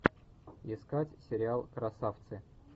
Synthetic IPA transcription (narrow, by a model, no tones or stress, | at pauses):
ɪskatʲsʲɪɾʲɪalˠkɾɐsaft̪sɨ